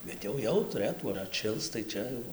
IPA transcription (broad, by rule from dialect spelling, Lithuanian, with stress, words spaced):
ˈbʲɛt jɛʊ ˈjɛʊ tʊˈrɘtuː ɐr ɐtʲˈʃʲɪlˠs tɐɪ ˈt͡ʃʲɛ jɛʊ